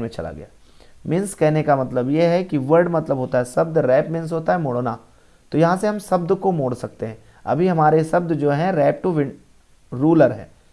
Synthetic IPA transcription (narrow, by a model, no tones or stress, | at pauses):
mẽt͡ʃɐ̰la̰ɡɐja̰ː | mɪnskɛɦnekamɐt̪ləbjeɦɛkiʋəɾɖmɐt̪ləbʱɦoːt̪aɦɛsɐbd̪ɾɛːpmɪns̬ɦoːt̪aɦɛmoːɽoːna | t̪ojɐɦãseɦɐmsɐbd̪komoːɽsɐk̚t̪eɦɛ̃ | ɐ̰bʱiɦɐmaːɾesɐb̚d̪d͡ʒoːɦɛ̃ɾɛːp̚ʈuʋɪ | ɾuːləɾɦɛ̰̃ː